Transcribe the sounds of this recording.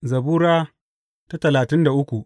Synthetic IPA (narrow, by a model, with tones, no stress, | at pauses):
zɐ˨buː˦ɾaː˦ | ta˦tɐ˨laː˨tɪ˦nda˨ʔʊ˦kʷu˨ʔ